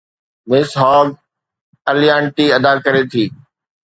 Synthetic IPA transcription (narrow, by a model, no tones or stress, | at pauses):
mɪsɦɔːɡ | ɐlijãːɳʈiɐd̪akɐɾet̪ʰiː